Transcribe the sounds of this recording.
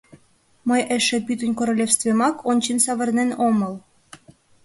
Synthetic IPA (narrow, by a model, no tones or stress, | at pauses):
məjeʃĕpyt̪ənʲkoɾolʲefst̪vʲemɑkʰonʲt͡ɕinsɑβə̆rnenomɤl